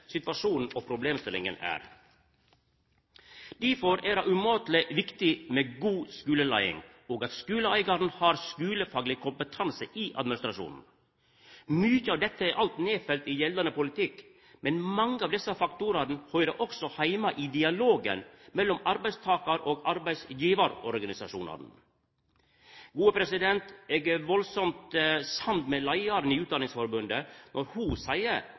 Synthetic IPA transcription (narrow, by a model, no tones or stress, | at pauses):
sɪt̪ʋɑʂuːnn̩ɔpʰɾʊbleːmst̪ɪlɪ̰ŋə̰næ̰ːɾ | d̪̥æfɔɾæːɾɑʉmoːt̪lɪʋɪkt̪ɪmeɡuːskʉːləlæ̰ɪɪ̰ŋ | oːɡɑt̪skʉːləæɪɡɑɾn̩hɑːɾskʉːləfɑːɡlɪkʰʊmpət̪ʰɑnsəʔiʔɑ̰d̪mɪnɪst̪ɾɑʂṵːnn̩ | myçəɑːʋd̪ɛt̪ʰːəæɾʔɑlt̪neːfɛlt̪ɪjɛlːɑnəpʊlɪt̪ʰɪk | mɛnmɑŋːəɑːʋd̪ɛsːɑfɑkt̪ʊɾɑɾn̩hœʏɾəʔɔksɔhæɪmɑʔɪd̪ɪɑloːɡə̰nmɛlːɔmɑɾbæɪst̪ʰɑːkɑɾoːɡɑɾbæɪsjiːʋɑɾɔɾɡɑnɪsɑʂṵːnɑ̰ɾn̩ | ɡuːəpʰɾɛsɪd̪ɛnt̪ɛːɡəʋɔlsɔmt̪sɑnt̪mɛlɑɪɑɾnɪʉːt̪̚d̪ɑnɪŋsfɔɾbʉnd̪ənʔɔɾhʊsæɪəɾ